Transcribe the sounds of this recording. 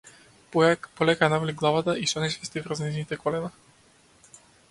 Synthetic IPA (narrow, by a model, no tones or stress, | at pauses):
pɔlɛkanavliɡlˠavat̪aʔisɔnɛʃvist̪ivɾazniznit̪ɛkɔlɛna